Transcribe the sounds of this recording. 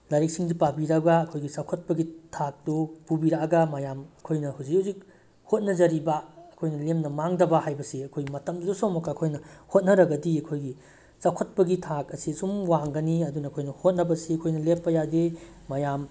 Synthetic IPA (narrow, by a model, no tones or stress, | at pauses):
lɐɾik̚siŋzipabiɾɐɡɐːkʰojɡisɐkʰot̚pɐɡitʰak̚dupubiɾaɡɐmɐjamɐkʰojnɐhuwzikhuwzik̚ | hot̚nɐzɐɾibɐːkʰojnɐlemnɐmaŋdɐbɐhajbɐsiɐkʰojɡimɐtɐmusomɐkɐːkʰojnɐhot̚nɐɾɐɡɐdiɐkʰojɡi | sɐkʰot̚pɐɡitʰakɐsisumwaŋɡɐniɐdunɐːkʰojnɐhot̚nɐbɐsiɐkʰojnɐlepːɐjade | mɐjam